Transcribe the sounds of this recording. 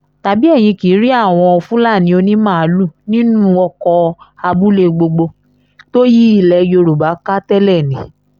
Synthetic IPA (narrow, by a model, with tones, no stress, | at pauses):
ta˨bi˦ɛ˦˨j̃ĩ˧ki˨˦ɾi˦a˦˨w̃ɔ̃˧ɔ˧fũ˦la˦˨nĩ˨˦o˧nĩ˦mã˦˨˧lu˦˨nĩ˦nũ˦ɔ˧kɔ˧a˧bu˦le˦˧ɡ͡bo˧ɡ͡bo˧ | to˦ji˦i˦˨lɛ˧jo˧ɾu˨ba˨˦ka˦tɛ˦lɛ˦˨nĩ˨˦